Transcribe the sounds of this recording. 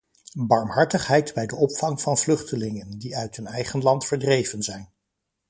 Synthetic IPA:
bɑɹmɦɑɹtəχɦɛjdbɛjdəɔpfɑŋvɑnvlɵχtəlɪŋəndiœɥtɦɵnɛjχənlɑntfəɹdrejvənzɛjn

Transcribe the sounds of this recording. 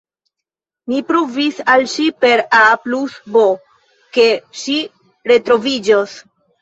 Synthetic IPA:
mipɾuvisalʃipe̞ɾaplusbo | ke̞ʃi | ɾe̞tɾo̞vid͡ʒos

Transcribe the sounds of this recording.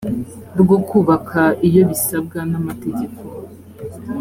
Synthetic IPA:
ɾɡokuːβakʰaijo̞βisab̚ɡanamate̞ɟe̞ko

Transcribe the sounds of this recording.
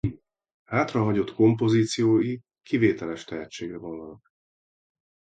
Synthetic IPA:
haːt̪rɒɦɒɟo̞t̪ko̞mpo̞ziːt̪sijoːji | kiveːt̪ɛlɛʃt̪ɛɦɛt͡ʃːeːɡrɛvonːɒnɒk̚

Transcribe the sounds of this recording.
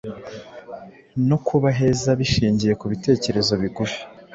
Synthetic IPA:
no̞kʰuβaɦe̞ːzaβiʃiːɲɟije̞kuβite̞ːce̞ɾe̞zo̞βiɡufi̥

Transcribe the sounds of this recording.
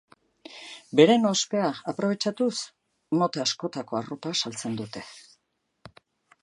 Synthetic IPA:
be̞ɾe̞nospe̞aːpɾo̞β̞e̞t͡ʃat̪us | no̞t̪easko̞t̪ako̞aropasalt͡se̞nd̪ut̪e̞̥

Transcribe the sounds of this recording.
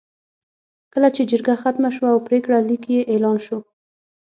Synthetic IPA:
kəlat͡ʃed͡ʒəɾɡaxat̪maʃwaːwpɾekɽalikjeʔelɑnʃo

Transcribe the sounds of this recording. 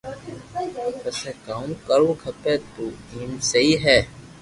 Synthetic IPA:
pəseːkaːũkəɾũːkʰəpeːt̪oːiːnseiːɦɛː

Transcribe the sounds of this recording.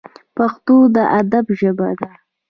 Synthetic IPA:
paxt̪od̪əʔad̪abʒəbad̪a

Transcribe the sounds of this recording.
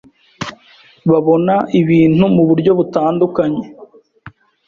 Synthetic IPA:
βaβo̞naʔiβiːn̥humuβuɾɟo̞βutaːndukaɲe̞

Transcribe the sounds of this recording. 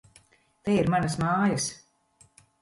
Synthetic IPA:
t̪ɛiɾmanɐsmaːjɐs

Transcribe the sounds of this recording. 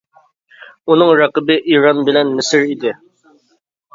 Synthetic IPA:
unɨŋɾɑqəbɨʔiɾɑnbɪlɛnːɪsɪɾid̪ɪ

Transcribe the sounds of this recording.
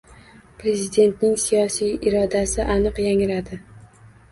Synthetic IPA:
pɾe̞zid̪e̞nt̪nɪŋsijɒsijɪɾɒd̪asɪʔanɨqjaŋɾad̪ɪ

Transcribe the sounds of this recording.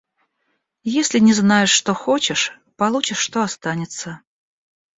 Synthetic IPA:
jesʲlʲɪnʲɪznajɪʂːt̪o̞xo̞t͡ɕɪʂ | pɐlˠut͡ɕɪʂːt̪oɐst̪anʲɪt̪sə

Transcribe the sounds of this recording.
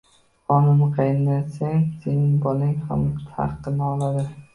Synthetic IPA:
χɒnɪmqʰɑjɪnːaseŋsenɪŋbɒlɪŋha̰mt̪ʰa̰ɾqːɨnaɒlad̪ɪ

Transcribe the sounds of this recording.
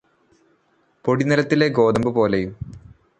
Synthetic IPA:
po̞ɽinɐlɐt̪ːile̞ɡo̞ːd̪ɐmbɨpo̞ːlejum

